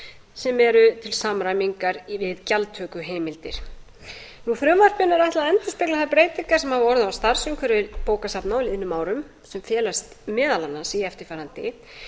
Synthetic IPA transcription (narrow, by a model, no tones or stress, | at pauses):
sɛmɛɾʏt̪ʰɪlsamɾajmiŋkaɾvɪðcalt̪ʰːœːkʏɦeːjmɪlt̪ɪ̰ɾ̥ | nuθɾœmvar̥pjʏnːaɾaht̪laðɛnt̪ʏspɪklaθaɾpɾeːjt̪iŋkḁsɛmhavɔɾðawst̪aɾ̥sʏmkʰvɛɾɪpoːwkasapnawlðɪnːʏmːaːwɾʏm | sɛmfjɛːlast̪mɛːðalanːasiɛft̪ɪɾ̥faːɾant̪ɪ̰